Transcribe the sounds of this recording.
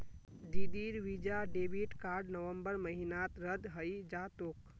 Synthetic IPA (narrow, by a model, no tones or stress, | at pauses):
d̪id̪iɾʋid͡ʒaɖebiʈkaɾɖnəʋəmbəɾməɦinat̪ɾəd̪ɦəjd͡ʒat̪ok